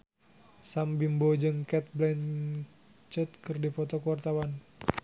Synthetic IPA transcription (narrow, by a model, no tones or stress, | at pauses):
sambimbod͡ʒɨŋkɛt̪̚blɛɲ | t͡ʃət̪̚kɨrdipɔt̪ɔkuwart̪awan